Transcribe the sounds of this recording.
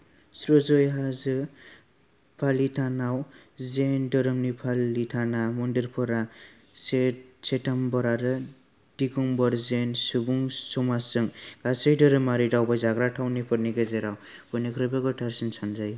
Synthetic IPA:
sɾozɔjɦazɯ | pʰalitʰanawzendɯɾɯmnipʰalitʰanamɔndiɾpʰɔɾa | sesetambɔɾaɾɯ | dikuŋbɔɾzensubuŋsɔmasɯŋɡasɯjdɯɾɯmaɾidawbajzaɡɾaʈʰawnipʰɯɾniɡezeɾaw | b̥ɔnekʰɾɯbeɡɔʈʰaɾsinsʰanzaj

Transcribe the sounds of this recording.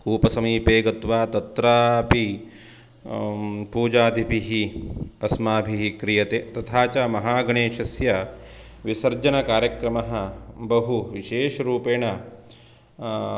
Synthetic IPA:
kuːpɐsɐmiːpeːɡɐt̪ʋaːt̪ɐt̪ɾaːpi | puːd͡ʒaːd̪ʱibʱiɦiɐsmaːbʱiɦikɾijɐt̪eːt̪ɐt̪ʰaːt͡ʃamɐɦaːɡɐɳeːʃɐsjɐ | ʋisɐɾd͡ʒɐnɐkaːɾjɐkɾɐmɐɦɐbɐɦuʋiʃeːʃɐɾuːpeːɳɐ

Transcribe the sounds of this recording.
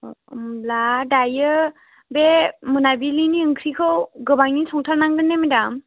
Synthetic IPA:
mladajɯ | bemɯnabiliniɯŋkʰɾikʰɯwɡɯbaŋisʰɔŋtʰaɾnaŋdɯnemedam

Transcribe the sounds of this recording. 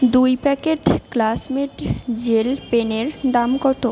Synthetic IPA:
d̪ujpɛkeʈklasmeʈd͡ʑelpeneɾd̪amɡɔt̪o

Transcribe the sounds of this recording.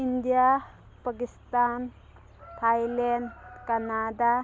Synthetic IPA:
ind̪ija | pakist̪an | t̪ʰajlenɖkanad̪a

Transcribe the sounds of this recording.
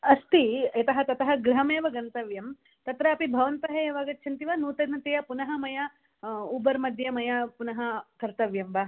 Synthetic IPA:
ɐst̪iɐt̪ɐɦɐt̪ɐt̪ɐɦɐɡɾɐɦɐmeːʋɐɡɐnt̪ɐʋjɐm | t̪ɐt̪ɾɐɐpibʱɐʋɐnt̪ɐɦejːʋaːɡɐt̪ːʃʰɐnt̪iʋɐnuːt̪ɐnɐt̪ejɐpunɐɦɐmɐjɐ | ubɐɾmɐd̪ʱjɐmɐjɐpunɐɦɐkɐɾt̪ɐʋjɐmbaː

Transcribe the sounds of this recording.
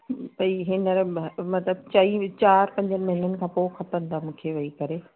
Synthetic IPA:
pɐiːɦɪnəɾmɐt̪ləb̚t͡ɕɐit͡ɕaːɾpɐ̃ɲd͡ʑənɪ̆mɐɦɪlənɪ̆kʰãːpoːxɐpənd̪aːmũːkʰeʋɐikɐɾe

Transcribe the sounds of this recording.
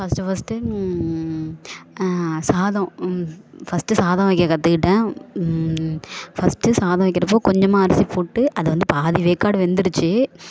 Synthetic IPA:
fɐsʈɯfɐsʈɯ | saːðɐ̃ | fɐsʈɯsaːðɐ̃ʋɐkːɪɾɐkɐt̪ːɯkɪʈːɐ̃ː | fɐsʈɯsaːðɐ̃ʋɐɪkːɪɾɐpːoːkɔɲd͡ʒɐmːaːɐɾɪsipoːʈːɯʔɐðɯʋɐnd̪ɯpaːðiʋeːkːaːɽɯʋɛnd̪ɪɾɯt͡ʃːɯ

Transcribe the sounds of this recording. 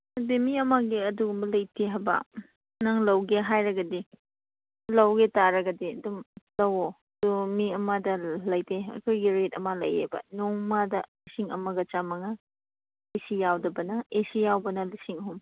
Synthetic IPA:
ɐbemiɐmaɡiɐduɡumbɐlɐjtʰeɦajbɐ̰ | nɐŋlɐwɡeɦajɾɐɡɐdi | lɐwɡetaɾɐɡɐdiɐdumlɐwo | d̥umiɐmadɐlɐjtʰeɐ̰kʰojɡiɾetɐmalɐ̰jḛbɐ̰nɔŋmadɐlisiŋɐ̰mɐɡɐt͡ʃamɐŋa | esijawdɐbɐnɐesijawbɐnɐlisiŋɐɦum

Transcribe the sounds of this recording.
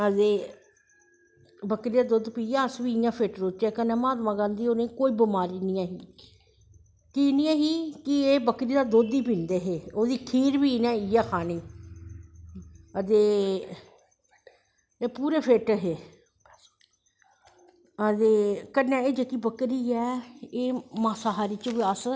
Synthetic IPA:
ət̪eː | bəkɾiːd̪aːd̪od̪piːjaːəsʋiːjãːpʰeːʈɾoːt͡ʃaːkənːɛ̃ːmaːt̪mãːɡãːnd̪iːoːnẽkoːiːbəmaːɾiːnɪjãːɦiː | kinĩːãːɦiːkɪeːbəkɾiːd̪aːd̪oːd̪iːpĩnd̪eːɦeːoːd̪iːkʰiːɾbiːnɛ̃ːɪjaːkʰaːniː | ət̪eː | eːpuːɾeːpʰeːʈɦeː | ət̪eːkənːɛ̃ːeːd͡ʒekiːbəkɾiːɛːeːmaːsaːɦaːɾiːt͡ʃʋiəs

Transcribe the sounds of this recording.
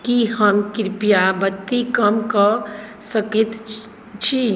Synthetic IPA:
kihəmkɾpijabət̪ːikəmkəsəkit̪ | t͡ʃʰi

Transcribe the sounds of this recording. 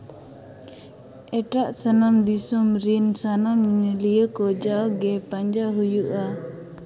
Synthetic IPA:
ɛʈaʔsanamd̪isɔmɾinsanamɲɲəlijəkɔd͡ʒaɡɛpaɲd͡ʒaɦujuʔa

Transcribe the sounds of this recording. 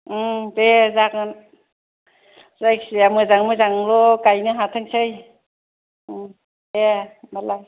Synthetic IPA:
dezakɯn | zajksiamɯzaŋmɯzaŋlɔkajnɯɦatʰaŋsɯj | emalaj

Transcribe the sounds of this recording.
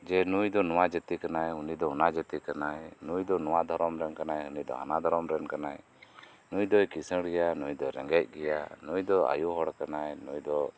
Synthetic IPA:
d͡ʒɛnujd̪ɔnɔwad͡ʒət̪ikanajunid̪ɔunad͡ʒət̪ikanajnujd̪ɔnɔwad̪ʱɔɾɔmɾɛnkanajunid̪ɔ̰ɦa̰nad̪ʱɔɾɔmɾɛnkanaj | nujd̪ɔjkisə̃ɽɛjanujd̪ɔɾɛ̰ŋɡɛc̚ˀɡɛjanujd̪ɔa̰juɦɔɽkanajnujd̪ɔ

